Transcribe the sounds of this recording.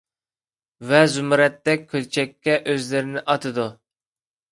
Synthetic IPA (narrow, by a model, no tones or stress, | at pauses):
vɛzumɾɛt̪ːɛk̚ʲʰːølt͡ʃʰɛkʲːɛʔøzlɪɾɪnɪʔɑt̪ʰɨd̪u